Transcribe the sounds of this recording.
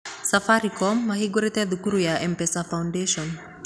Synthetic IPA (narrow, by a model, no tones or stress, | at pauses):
safaɾikɔmːahiɡuɾit̪ɛðukuɾujaʔɛmpɛsafawndɛʃɔn